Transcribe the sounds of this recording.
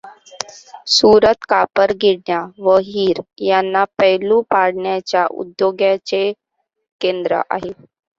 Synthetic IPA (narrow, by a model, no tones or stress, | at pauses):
suːɾət̪kapəɾɡiɽɳjaʋəɦiːɾjanːapəɦlũpaɽɳjat͡ɕjaʔṵd̪joɡjat͡ɕe | kend̪ɾə̰ʔa̰ɦe